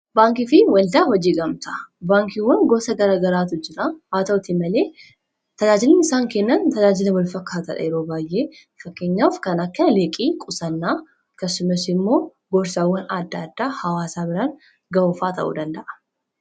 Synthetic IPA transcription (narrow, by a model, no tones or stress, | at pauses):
baːŋkɪfɪwɐld̪aːhɔd͡ʒiːɡɐmt̪ʰɐbaːŋkiwɐnɡɔːsɐɡɐɾaːɡɐɾaːt̪ʊd͡ʒɪɾaaːt̪ɐt̪ɪmɐleː | t̪ɐd͡ʒaːd͡ʒɪlɛnɪsaːŋkɛnːɐnt̪ɐd͡ʒaːd͡ʒɪlɐwɔlfɐkːaːt̪ɐᶑɐ̰jɛɾoːbaːjʔe̞ː | fɐkːe̞ːɲːaːfkɐnɐkːɐleːkʼiːkʼʊsɐnːaː | ɐkːɐsːʊmɐsɪmːo̞ː | ɡɔɾsaːwːɐnɐd̪ːɐːd̪ːaːhɐwaːsaːbɪɾaːn | ɡɐɔfaːt̪ʰɐ̰ʔṵːd̪ɐnd̪ɐʔɐ̥